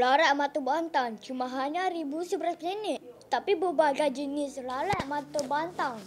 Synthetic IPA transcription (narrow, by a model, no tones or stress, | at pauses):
laɾaʔmat̪obant̪aŋt͡ʃumãɦaɲãɾibusəbəɾaspəɲənɪʔt̪apibəbaɡajd͡ʒənɪslalaʔmat̪obant̪aŋ